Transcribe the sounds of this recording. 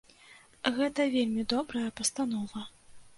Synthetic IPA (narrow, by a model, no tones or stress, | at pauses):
ɣɛt̪ɐvʲelʲmʲid̪ɔbɾɐjɐpɐst̪anɔvɐ